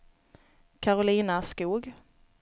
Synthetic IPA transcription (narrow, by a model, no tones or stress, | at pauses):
kʰaɾʊliːnaskuːɡ